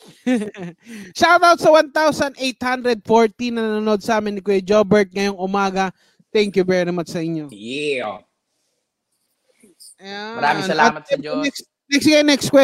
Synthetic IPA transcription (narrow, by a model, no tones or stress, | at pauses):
ʃawd̪awt̪̚sɐwant̪awsɐnd̪ʔejt̪hand̪ɾɛd̪̚foɹt̪inɐnɐnonod̪̚sɐʔaːmɪnɪkd͡ʒobɛɹt̪̚ŋɐjoŋʔʊmaːɡɐ | t̪ɛŋkjʊvɛɾɪmat͡ʃsɐʔɪɲjojɛo | sɐjamɐɾaːmɪ̃sɐlaɐmɐt̪̚ɛnɛks | nɛksɡenɛkst̪kwɛ